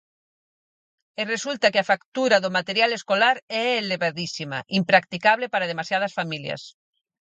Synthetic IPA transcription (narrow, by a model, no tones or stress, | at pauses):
eresult̪akeafakt̪uɾaðomat̪eɾjaleskolaɾɛeleβaðisima̰ʔimpɾak̚t̪ikaβlepaɾað̞emasjað̞ɐsfamilja̰s